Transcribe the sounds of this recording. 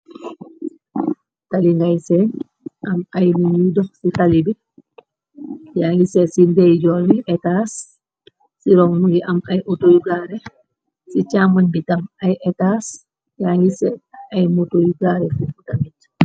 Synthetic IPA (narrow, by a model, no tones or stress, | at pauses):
taliŋɡajsɛn | ʔamajnuɲidɔsitalibi | jaŋɡisɛsindɛjd͡ʒɔlbiʔɛtasː | iɾɔŋmuŋɡiʔamajʔotojuɡaːɾɛ | sit͡ʃamanbitaŋajʔɛtas | jaŋɡisɛajmutojuɡaːɾɛfifutamit